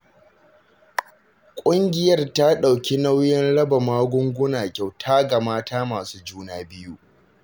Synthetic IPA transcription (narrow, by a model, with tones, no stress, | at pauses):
kʷʼʊ˦ŋɡʲɪ˨jɐ˦˨rta˦ɗa˨wkʲi˦na˦wjɪ˦nɽɐ˦ba˨maː˦ɡʷʊ˦ŋɡʷʊ˦naː˨kʲa˨wtʰaː˦ɡa˨maː˦tʰaː˦maː˨suː˦d͡ʒuː˦naː˦bɪ˦ju˦ʔ